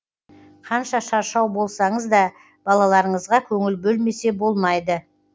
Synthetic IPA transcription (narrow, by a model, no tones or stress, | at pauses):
qʰɑnʃɑʃɑɾʃɑwbo̞lˠsɑɴəzd̪ɑ | b̥ɑlˠɑlˠɑɾəɴəzʁɑkʲʰɵŋɪlbɵlme̞se̞bo̞lˠmɑjd̪ə